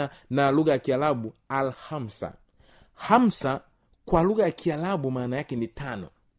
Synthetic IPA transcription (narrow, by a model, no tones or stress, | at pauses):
analuɣajakialaɓualham̩sa̰ | ham̩sa | kwaluɣajakialaɓumaːnajakɛnitanɔ̰